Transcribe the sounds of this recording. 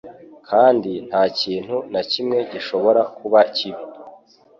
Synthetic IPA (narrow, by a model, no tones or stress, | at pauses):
kʰaːndin̥haːciːn̥hunacimŋe̞ɟiʃo̞βo̞ɾakuβaciβi